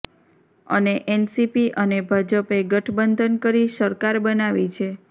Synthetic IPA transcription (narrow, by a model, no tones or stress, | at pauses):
ə̰neʔɛnsipiʔənebʱad͡ʒəpeɡəʈʰbənd̪ʱənkəɾiʃəɾkaɾbənaʋit͡ʃʰe